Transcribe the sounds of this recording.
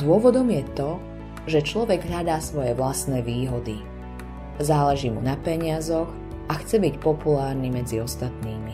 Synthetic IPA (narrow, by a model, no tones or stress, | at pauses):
d̪ʊɔʋɔd̪ɔmjɛt̪ɔ | ʒɛt͡ʃlɔʋɛɡɦʎad̪aːsʋɔjɛʋlasnɛːʋiːɦɔd̪i | zaːlɛʒiːmunapɛɲɪazɔɣ | ʔaxt͡sɛbicpɔpulaːɾnimɛd͡ziɔst̪at̪niːmi